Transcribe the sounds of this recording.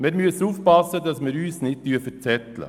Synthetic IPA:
mɪːɾmyəsuːfpɑsəd̪ɑsmɪːɾyːsnɪd̚tyfət͡sɛt̪lə̰

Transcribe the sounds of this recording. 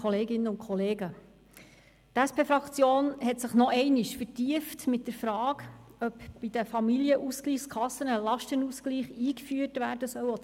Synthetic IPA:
ɔleːɡɪnəʊnkʰχɔleːɡə | tæspʰeːfɾɑkt͡sjoːnhɛtsəχnɔʔɛɪnɪʃfətiəftmɪt̚d̥əɾfɾɑːɡœpb̥idəfɑmiljəʔuskliːχskʰχɑsːənəlɑʃtənuskliːχiːkfyːəɾtʋæːɾd̥əsœwɔ

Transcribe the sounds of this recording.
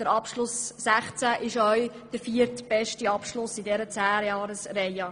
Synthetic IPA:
d̥əɾɑpʃlʊsːæχt͡sæʔɪʃœɥ | d̥əɾfiəɾtb̥ɛʃtiɑpʃlʊsɪdɛɾət͡sæːɾjɑːɾəsɾɛjɑ

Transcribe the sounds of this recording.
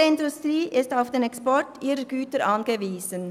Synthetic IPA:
ɪndustʁiːʔɪstaʊfd̥eːnɛkspɔɾtʰʔiːɾəɡyːtəɾʔɑnɡəviːz̥ən

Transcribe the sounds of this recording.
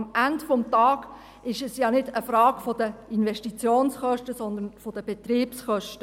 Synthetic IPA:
mændfɔmtɑːɡ̥ | ɪʃɛsjɑːnɪdəfɾɑːɡ̥fod̥əinvɛʃtit͡sjoːnsχœʃtəsɔnd̪ənfod̥əb̥et̪riːpsχœʃtə

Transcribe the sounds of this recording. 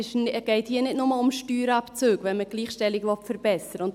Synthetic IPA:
ɪʃɡ̥ɛɪthiːənɪdnʊməʊmʃtyːɾɑpt͡søːɡʋɛnməɡ̥liːχʃtɛlɪɡlɔtfəɾbɛsəɾəʊnt

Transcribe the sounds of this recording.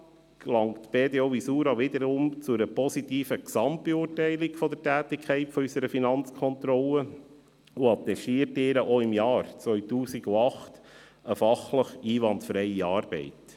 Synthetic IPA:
klɑŋtb̥eːd̪eɔʋisuːɾɑʋɪd̪əɾʊmt͡suɾəpɔsit̪iːfəksɑmtb̥euːɾtɛɪlɪkfɔd̪tæːtɪkʰχɛɪtfɔysəɾəfinɑnt͡skʰχɔnt̪ɾɔlə | uɑt̪ːɛʃtiːəɾtɪːɾəʔoɪmjɑːɾt͡sʋœʏtuːsiɡuɑχt | əfɑχləχiːʋɑntfɾɛɪiɑːɾb̥ɛ̰ɪt

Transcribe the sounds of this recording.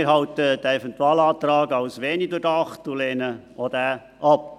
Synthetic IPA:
ɪɾɦɑwtəd̥æɛvɛntuɑːlɑːt̪ɾɑːɡɑwsʋɛːnidʊdɑχtulɛːnə | odæː | ʔɑp

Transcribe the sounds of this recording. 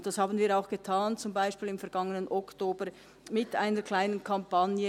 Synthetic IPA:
d̥ɑshaːbn̩viːɾaʊxɡ̥ətʰaːnt͡sʊmbaɪʃpiːlɪmfɛɐɡaŋənənʔɔktoːbə | mɪtʔaɪnəɾkʰlaɪnənkʰampanjə

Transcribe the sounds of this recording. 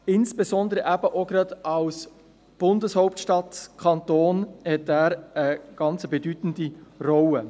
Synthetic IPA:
ɪnsb̥esɔndəɾəʔæbəʔoɡɾɑdɑws | b̥ʊndəshɔʊptʃtɑtkʰɑnt̪oːnhɛtæːɾəɡ̥ɑnt͡səbedytn̩dirɔwə

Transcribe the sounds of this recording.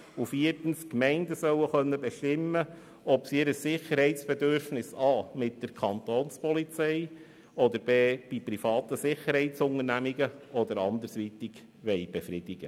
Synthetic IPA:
ufiːəɾtn̩skmɛɪndəsœwəχœnːəbɛʃtɪmːə | ɔpsiɪɾəsːɪχəɾhɛɪtsb̥ɛd̪øɾfnɪsɑːmɪt̚d̥əɾkʰɑnt̪oːnspɔlit͡sɛɪ | ɔd̪əɾb̥eːb̥ipɾifɑːt̪əsɪχəɾhɛɪtsʊŋəɾnæmiɡəɔd̪əɾɑnd̪əɾsʋiːt̪ɪɡ | ʋɛɪb̥efɾɪd̥ɪɡ̥ə

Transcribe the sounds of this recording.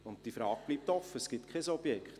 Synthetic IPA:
ʊn̚d̥ifɾɑːɡ̥̚b̥liːp̚t̪ɔfːəsɡ̥ɪtkʰχɛsɔb̥jɛkχt

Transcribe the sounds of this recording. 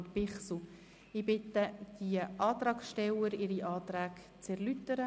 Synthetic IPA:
tpɪχsu | ɪbɪt̪əd̪̥iəʔɑːt̪ɾɑːksʃtɛləɾɪɾiʔɑːt̪ɾæːk | t͡sɛʁlyt̪əɾə

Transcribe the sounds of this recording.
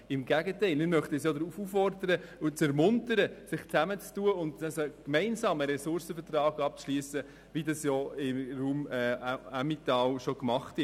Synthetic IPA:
ɪmɡ̥æɡətɛɪlmɪmœχtɛsjɔd̪əɾufufɔrdəɾəut͡sɛɾmʊntəɾəsɪχt͡sæmət͡stuːəʊndɛsokmɛɪnsɑːməɾɛsʊɾsəfətrɑːɡɑp̚t͡sʃliːəsə | ʋidɑsjɔɪmruːmɛɑmitɑlʃɔkmɑχtɪ

